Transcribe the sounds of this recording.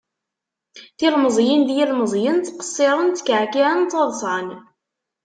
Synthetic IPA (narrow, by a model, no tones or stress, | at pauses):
θilməzˤjind̪jilməzˤjənt͡s̪ːqə̥sˤːeɾˤənt͡s̪ːə̥kːʕkiʕənt͡s̪ːɑðˤsˤʕɑn